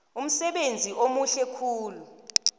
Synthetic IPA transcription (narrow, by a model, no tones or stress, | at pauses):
um̩sɛɓend͡zʱiʔomuɬɛkʰuːlu